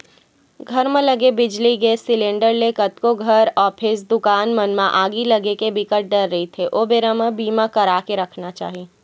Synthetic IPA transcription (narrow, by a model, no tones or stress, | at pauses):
ɡʱɐɾmẽlɐɡebɪd͡ʒliɡeːsɪlẽːɳɖəɾlekɐt̪koɡʱɐɾɔːpʰɪs̬d̪ʊkaːnmɐnmãʔaːɡilɐɡekebɪkəʈ̚ɖɐɾːɐɦit̪ʰeʔoːbeːɾəmə̃biːmãkɐɾaːkeɾɐkʰnat͡ʃa̰ːɦi